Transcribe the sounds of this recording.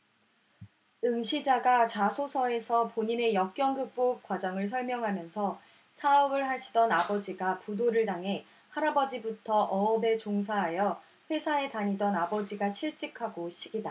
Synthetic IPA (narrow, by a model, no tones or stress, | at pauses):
ɯŋɕʰid͡ʑaɡat͡ɕasʰosʰʌe̞sʰʌpoɲine̞jʌk̚k͈jʌŋɡɯk̚p͈ok̚k͈wad͡ʑʌŋɯɭs̬ʰʌɭmjʌŋɦamjʌnsʰʌ | sʰaʌbɯɭɦaɕʰidʌnabʌd͡ʑiɡapudoɾɯɭdaŋɦe̞ | haɾabʌd͡ʑibutʰʌʔʌːbe̞t͡ɕoŋs̬ʰaɦajʌ | ɸwe̞sʰae̞taɲidʌnabʌd͡ʑiɡaɕʰiɭt͡ɕ͈ikʰaɡoɕʰiɡida